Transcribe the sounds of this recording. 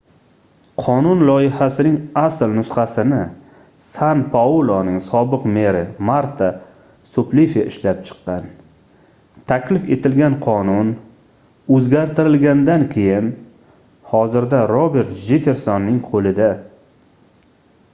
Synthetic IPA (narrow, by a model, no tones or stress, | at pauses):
qʰɒnʊnlˠɒɪhasɪnɪŋaslnʊsχasɪnɪ | sanpʰaulˠonɪŋsɒbɨqme̞ɾɪmaɾt̪ʰa | sʊplifaɪʃlap̚t͡ʃʰɨ̥qːɑn | t̪ʰakʲlɪfe̞t̪ʰɪlɡʲanqʰɒnʊn | ɵzɡʲaɾt̪ʰɪɾɪlɡʲand̪ankʲʰe̞jɪn | hɒzɪɾd̪aɾobe̞ɾt̪ʒefe̞ɾsɒnːɪŋqʰolɪd̪a